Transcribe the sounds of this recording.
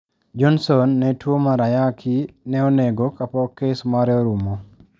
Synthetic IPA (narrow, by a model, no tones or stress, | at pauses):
d͡ʒɔnsɔnːɛtwomaɾajakʰinɛɔneɡokapɔkesmaɾɛoɾumo